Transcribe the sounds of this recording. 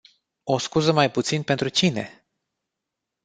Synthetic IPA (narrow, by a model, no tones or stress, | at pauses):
o̞skuzəmajput̪sinpe̞nt̪ɾut͡ʃine̞̰